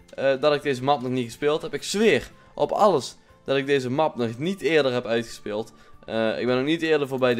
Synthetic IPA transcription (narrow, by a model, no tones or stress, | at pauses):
dɑtɪɡ̚dejzəmɑpnɔxnitxəspɪːlˠtɦɛpɪksʋɪːr | ʔɔpɑ̰lˠəs | d̥ɑtɪɡ̚dejzəmɑpnɔxnitɪːɹdəɹɦɛpœɥtxə̥spɪːlˠt | ɪ̰ɡ̚bɛnoxnitɪːɹdəɹvoːɹbɛjd